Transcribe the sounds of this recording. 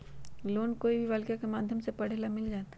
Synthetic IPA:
loːnkoːibʱiʋaːlkijakemaːd̪ʱjəmsepɐɽ̤eːlamɪld͡ʒaːt̪

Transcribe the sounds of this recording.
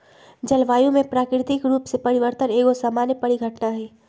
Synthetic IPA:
d͡ʒɐlʋaːjõmẽpɾaːkɾɪt̪ɪkɾuːpsepɐɾɪʋəɾt̪əneːɡosaːmaːnjəpɐɽiɡʱəʈnaɦɛː

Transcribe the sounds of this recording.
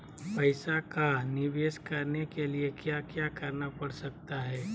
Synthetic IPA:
pəɪsakanɪʋeːskəɾnekeliekjakjakəɾnapɐɽsək̚t̪aɦɛː

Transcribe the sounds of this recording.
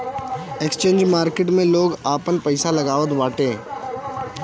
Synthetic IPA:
ekst͡ʃẽːnd͡ʒmaːɾkeʈ̬mẽloːɡaːpənpəɪsalɐɡaːʋət̪ʋaːʈẽː

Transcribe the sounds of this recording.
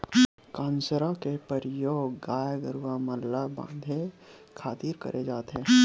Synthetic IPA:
kãːnsɾakepəɾjoːɡːaːjɡəɾuwamɐlːabã̰ːnd̪ʱekʰaːt̪iːɾkə̰ɾʔed͡ʒaːt̪ɦɛ̃ː

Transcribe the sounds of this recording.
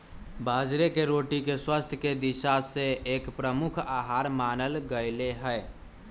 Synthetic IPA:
bʱaːd͡ʒɾekeɾoːʈikeswast̪ʰjəked̪iʃaseeːkpɾəmukʰaɦaɾmaːnəlɡəɪleɦəe

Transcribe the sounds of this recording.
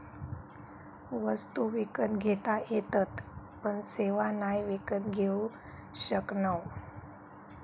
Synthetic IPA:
ʋəst̪uʋikət̪ɡʱet̪ajet̪ət̪ | pəɳseʋanajʋikət̪ɡʱeu | ɕəknaw

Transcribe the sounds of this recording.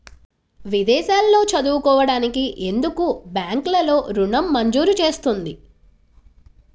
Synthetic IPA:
ʋid̪ɛːʃaːlːo̞ːt͡ʃɐd̪uːkɔːʋɐɽaːnikiʔe̞nd̪ukubjaːŋklɐlo̞ːɾuɳɐmːɐɲd͡ʒuːɾut͡ʃe̞ːst̪und̪i

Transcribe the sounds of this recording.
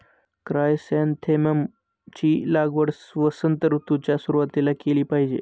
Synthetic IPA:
kɾajsant̪ʰeməm | t͡ɕiːlaɡʋəɽsʋəsənt̪əɾut̪ut͡ɕjasuɾuʋat̪ilakeliːpaɦid͡ʑḛ

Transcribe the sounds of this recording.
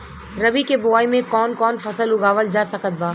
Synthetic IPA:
ɾɐbikebʊaːimẽkɔːnkɔːnfʰɐsəlʊɡaːʋəld͡ʒaːsɐkət̪̚baː

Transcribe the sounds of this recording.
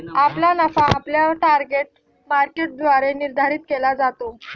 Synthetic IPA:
aplanafaapljaʈaɾɡeʈ̚ | maɾkeʈ̚d̪ʋaɾeniɾd̪ʱaɾiːt̪̚kelad͡zat̪o

